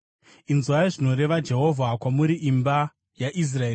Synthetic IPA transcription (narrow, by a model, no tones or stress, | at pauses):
inzwaiʐino̞ɾe̞ʋad͡ʒe̞ɦo̞vʱakwamuɾiʔimba | jaʔis̬raeː